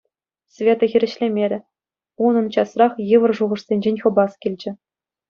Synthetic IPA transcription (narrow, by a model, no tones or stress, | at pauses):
svʲet̪ɤ̆xʲiɾʲɘ̆ɕlʲemʲeɾʲɘ̆ | unɤ̆nt͡ɕɑsrɑχjɯʋɤ̆rʐuʁɤ̆ʂsʲenʲd͡ʑenʲχɤ̆bɑskʲilʲd͡ʑɘ̆